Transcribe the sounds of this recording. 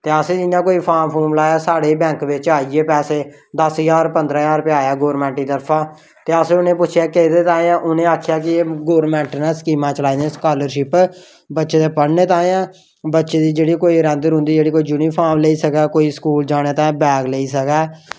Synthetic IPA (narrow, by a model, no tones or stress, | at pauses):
t̪eːəsẽːd͡ʒɪãːkoːiːpʰaːɾmpʰoːɾmlaːjaːsaːɽeːbɛ̃ːŋkʋɪt͡ʃaːieːpɛːseː | d̪əsjaːɾpənd̪ɾãːjaːɾpɪaːjaːɡoːɾmɛ̃ːɳʈiːt̪əɾpʰãː | t̪eːəsẽːʊnẽːpʊt͡ʃʰjaːkeːd̪eːt̪ãːãːʔʊnẽːaːkʰjaːkɪeːɡoːɾmɛ̃ːɳʈnãːskiːmãːt͡ʃəlaːid̪ẽːskaːləɾʃɪp | bətːʃeːt̪eːpəɽneːt̪ãːãː | bətːʃeːd̪iːd͡ʒeːɽiːkoːiːɾɛ̃ːnd̪əɾɦʊ̃nd̪iːd͡ʒeːɽiːkoːiːd͡ʒuniːpʰaːɾmleiːsəkɛːkoːiːskuːld͡ʒaːɽ̃eːt̪ãːbɛːɡleːiːs̬əkɛː